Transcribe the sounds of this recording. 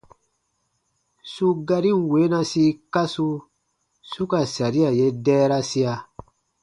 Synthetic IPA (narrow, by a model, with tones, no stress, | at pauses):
su˦ɡa˧ɾĩ˦ŋ˨we˨˦nã˧si˧ka˦su˧ | su˦ka˨sa˨ɾi˦a˨je˦dɛː˦ɾa˦si˦a˨